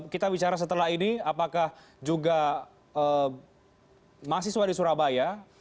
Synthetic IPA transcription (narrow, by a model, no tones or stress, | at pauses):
kit̪abit͡ʃaɾas̬ət̪əlaɦiniapakah | d͡ʒuɡa | ə | mas̬ihswadisuɾabaja